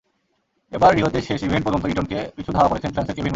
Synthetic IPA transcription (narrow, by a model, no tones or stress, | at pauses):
ebaɾːiɦod̪eʃeʃibʱeɳʈpɔd͡ʑont̪oiʈonkepit͡ɕʰud̪ʱaoakoɾet͡ɕʰenfɾanseɾkebʱin